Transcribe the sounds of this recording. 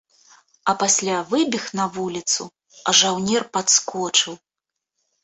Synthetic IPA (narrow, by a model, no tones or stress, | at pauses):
ɐpasʲlʲavɨbʲixnɐvulʲit̪sṵ | ɐ̰ʐawnʲɛrpat̪skɔt͡ʂɨw